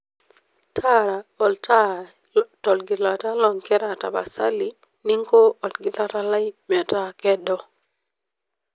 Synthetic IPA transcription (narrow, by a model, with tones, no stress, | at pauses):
tʰa˦ɾa˨o˨lta˦ | to˨lɡi˨la˨ta˦lɔ˨ŋkɛ˦ɾa˨ta̰˨ba̰˨sa˦li˦ | ni˦ŋko˦o˨lɡi˨la˦ta˦la˦jme˨ta˦kɛ˦dɔ˦